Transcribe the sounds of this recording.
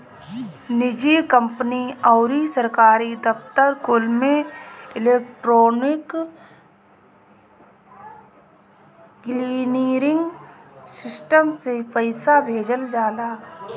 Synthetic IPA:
nɪd͡ʒikə̃mpniɔːɾisəɾkaːɾid̪əft̪əɾkʊlmẽɪleːk̚ʈɾoːnɪk | kliːniːɾɪ̃ŋɡsɪsʈəmsepəɪsabʱeːd͡ʒəld͡ʒaːlaː

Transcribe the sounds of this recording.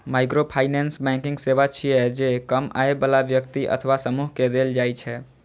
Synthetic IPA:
majkɾopʰajnɛnsbɛ̃ŋkiŋɡseʋat͡ʃʰijɛd͡ʒekəma̰ebəlabjəkt̪iʔə̰t̪ʰəʋasəmuɦked̪eld͡ʒajt͡ʃʰɛ

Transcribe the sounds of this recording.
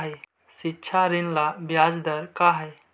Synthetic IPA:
ɦəj | sitːt͡ʃʰaɾinlabjad͡ʒd̪əɾkaɦɛj

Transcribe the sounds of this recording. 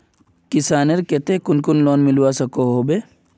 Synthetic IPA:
kɪsaːneɾket̪ekʊnkʊnloːnmɪlwasɐkoɦoːbe

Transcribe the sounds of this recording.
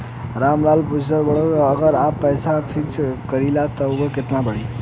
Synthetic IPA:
ɾamɾalpud͡ʒsəɾbəɽəkːɡəɾapːəjsapʰikskəɾilat̪ɔokeket̪nabəɽi

